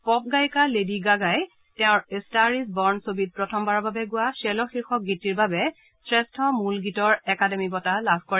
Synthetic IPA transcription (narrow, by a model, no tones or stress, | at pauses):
pɔp̚ɡajkalediɡaɡaj | tɛʊ̃ɹestaɹisbɔɹnsobid̚pɹɔtʰɔmbaɹɔbabɛɡʊwasɛlɔxiɹxɔk̚ɡitiɹbabɛ | sɹɛstʰɔmulɡitɔɹɛkademibɔtalabʱkɔɹɛ